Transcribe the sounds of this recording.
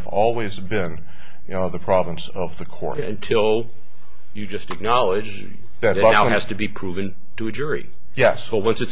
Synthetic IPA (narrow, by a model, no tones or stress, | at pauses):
vɔlˠwizbɪ̃n | j | ðɨpʰɹ̥ɑvə̃nsʌvðɨkʰɔ̰ɹtɨ̰̃ntʰɪlˠ | jɨd͡ʒʌstɨk̚nɑlˠɪd͡ʒ | ðɨt̚ɨ̥ʌnaʊæz̥tɨbipʰɹ̥uvɨ̃n | tʰɨɨd͡ʒʊɹḭ | jɛsowʌ̃nsɨts